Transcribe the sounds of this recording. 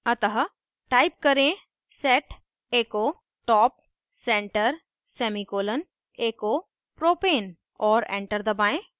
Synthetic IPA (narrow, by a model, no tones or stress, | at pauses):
ɐt̪əɦə | ʈaːɪp̚kɐɾẽ | sɛːʈ | eːkoː | ʈɔːp̚ | sɛ̃ːɳʈəɾ | sɛːmikoːlən | eːkoː | pɾoːpeːn | ɔːɾḛ̃ːɳʈəɾd̪ɐbaːẽ